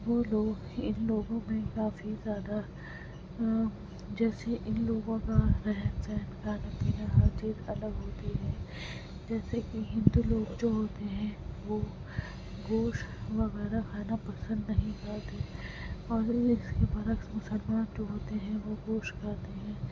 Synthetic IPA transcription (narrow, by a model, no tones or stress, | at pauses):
ʋoːloːɡɪ̰nloːɡõmẽkaːfizjaːd̪a | d͡ʒɛːseʔɪnloːɡõkaɾɛɦɛnsɛɦnkaːnɐpiːnaɦad͡ʒiːt̪ɐləɡɦoːt̪iɦɛː | d͡ʒɛːsekiɦɪ̃nd̪uːloːɡd͡ʒoːɦoːt̪eɦɛ̃ʋoː | ɡoːʃʋɐɣɛːɾaxaːnapɐsə̃nd̪nɐɦĩkɐɾt̪e | ɔːɾɪskebɐɾəksmʊsəlmaːnd͡ʒoːɦoːt̪eɦɛ̃ʋoɡoːʃkɐɾt̪eɦɛ̃ː